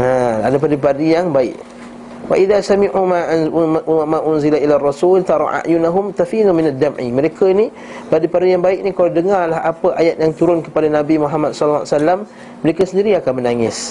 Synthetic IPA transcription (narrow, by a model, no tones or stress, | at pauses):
aadapadipadijaŋbaɪ̰ʔ | wa̰ʔiðasamiʔuma | mãʔʊnzilaʔilarˤːɑsult̪ɑɾˤɑ̰ʔa̰ʔjʊnaɦʊmt̪afinumɪnad̪amʕḭməɾekəni | padipadijaŋbaɪʔk̚nikaladəŋarlaɦapəʔajat̪̚jaŋt̪uɾʊnkəpadanabimuɦamat̪̚sɔlːwasalːamː | əɾekəsəndiɾiakanmənaŋɪs